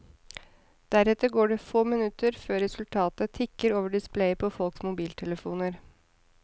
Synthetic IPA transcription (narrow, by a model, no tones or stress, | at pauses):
d̪̥æɾɛt̪əɾɡoːɖɛfoːmənʉt̪əɾføːɾɛsʉlt̪ʰɑːt̪ət̪ʰɪkːəɾoːʋəɖɪspleɪpʰɔfɔlksmʊbiːlt̪ʰɛləfuːnəɾ